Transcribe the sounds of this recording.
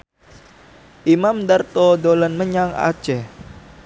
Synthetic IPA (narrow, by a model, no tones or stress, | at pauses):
ʔimamd̪art̪ɔdolənməɲaŋa̰̥t͡ʃɛ